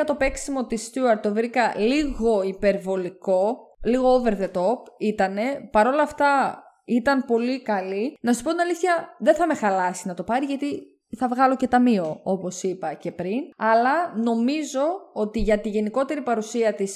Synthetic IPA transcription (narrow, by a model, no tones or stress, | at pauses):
ɐt̪o̞pe̞ksimo̞t̪ist̪juɐɾt̪ovɾikɐliɣo̞ipe̞ɾvo̞liko̞liɣo̞ove̞ɾðe̞t̪o̞pit̪ɐne̞pɐɾo̞lɐːft̪ɐ | it̪ɐmpo̞likɐlinɐsuspo̞t̪inɐliθçɐðeθɐme̞xɐlɐsinɐt̪o̞pɐɾiʝɐt̪i | θɐvɣɐlo̞ce̞t̪ɐmio̞opo̞sipɐcepɾinɐlɐno̞mizo̞o̞t̪iʝɐt̪iʝe̞niko̞t̪e̞ɾipɐɾusiɐt̪is